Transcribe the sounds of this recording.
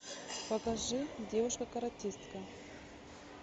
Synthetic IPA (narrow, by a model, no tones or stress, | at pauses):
pɐkɐʐɨdʲevʊʂkəkɐɾɐtʲist̪kɐ